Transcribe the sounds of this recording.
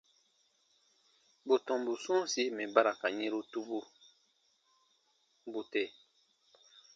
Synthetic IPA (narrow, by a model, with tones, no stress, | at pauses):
bo˨tɔ̃˨mbu˨sũ˦si˦mɛ̃˨ba˦ɾa˨ka˨ɲẽ˦ɾo˦tu˦bu˦ | bo˨tɛ˦˨